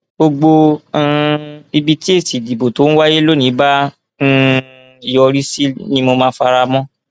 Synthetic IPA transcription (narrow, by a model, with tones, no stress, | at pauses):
ɡ͡bo˧ɡ͡bõ˧˦˧ | i˧bi˧ti˦e˦˨si˨di˨bo˨to˨˦ñ̩˦wa˦je˦lo˦nĩ˨˦bã˦ | i˨jɔ˧ɾi˦si˦nĩ˦mo˧mãː˧˦fa˧ɾa˧mɔ̃˦